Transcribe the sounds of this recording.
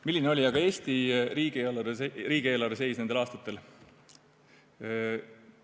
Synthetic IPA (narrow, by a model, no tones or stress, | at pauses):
milʲːineo̞lʲiɑɡ̥ɑe̞ːsʲt̪iriːɡielɑɾeeriːɡ̥ie̞ːlɑɾese̞jsnend̪elɑːst̪ɑt̪ːˑe̞l